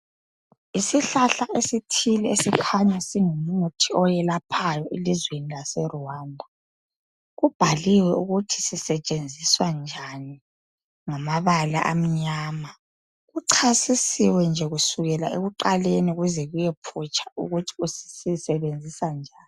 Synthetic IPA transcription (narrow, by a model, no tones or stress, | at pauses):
isiɬaɬaʔesitʰilɛesikʰaɲasiŋomunotʰiɔjɛlapʰajɔʔelizwenilasɛruwandʱa | ɣub̥ʱaliwɛuɣutʰi̥sisɛt͡ʃʼend͡zʱiswand͡ʒʱani | ŋamaβala̰ʔam̩ɲaːma | ɣuǀʰasisiwɛnd͡ʒʱɛɣusuɣɛlaeɣuǃaleniɣuzɛɣujɛpʰut͡ʃʰʼḁṵɣutʰi̥usi̥sisɛβend͡zʱisand͡ʒʱaːni